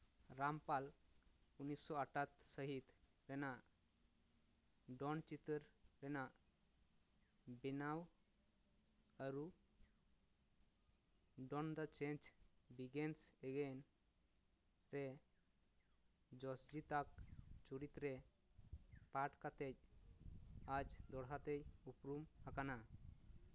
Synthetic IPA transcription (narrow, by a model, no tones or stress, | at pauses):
ɾampal | unisːɔaʈʰat̪səɦit̪ | ɾɛna | ɖɔnt͡ʃit̪əɾɾɛna | binaw | aɾu | ɖɔnd̪at͡ʃɛɲt͡ʃbiɡɛnsɛɡɛn | ɾɛ | d͡ʒɔsd͡ʒit̪ak̚t͡ʃuɾit̪ɾɛ | paʈkat̪ɛc̚ | ad͡ʒd̪ɔɽɦat̪ɛc̚upɾumhakana